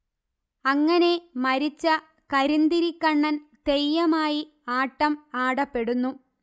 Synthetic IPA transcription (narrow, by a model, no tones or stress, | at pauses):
ɐŋːɐne̞mɐɾit͡ɕːɐ | kɐɾind̪iɾikːɐɳːɐnt̪ejːɐmaːji | aːʈːɐmaːɽɐpːe̞ɽunːu